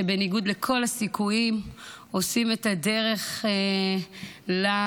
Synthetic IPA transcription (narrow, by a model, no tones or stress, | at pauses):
ebe̞niɡud̪le̞kʰo̞lasikujim | o̞sime̞tade̞ʁe̞χ | la